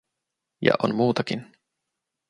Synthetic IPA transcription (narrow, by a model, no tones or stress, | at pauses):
jɑ̰ʔo̰nmuːt̪ɑkin